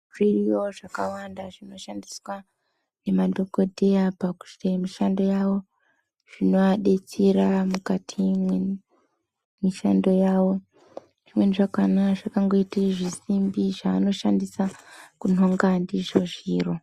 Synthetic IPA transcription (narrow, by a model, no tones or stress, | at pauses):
ʐ̥irijo̞ʐakawandaʐino̞ʃandiswa | ne̞madʱo̞ɡo̞dʱeapaku̥semiʃando̞jawo̞ | ʐ̥ino̞aɗe̞t͡siɾamukatʰimwe | miʃando̞jaːwo̞ | ʐ̥imwe̞niʐakanaʐakaŋɡo̞iteʐisimbiʐaːno̞ʃandisakuno̞ŋɡandiʐoʐiːro̞